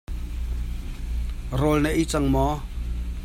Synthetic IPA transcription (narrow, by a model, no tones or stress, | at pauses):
rolnɛʔit͡saŋmɔ